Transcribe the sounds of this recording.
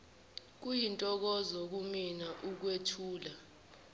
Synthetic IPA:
k̬ujintʼɔk̬ɔzɔk̬uminaʔuk̬wetʰuːla

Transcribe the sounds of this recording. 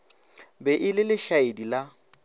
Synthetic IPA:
bɛʔɪlɪlɪʃaedila

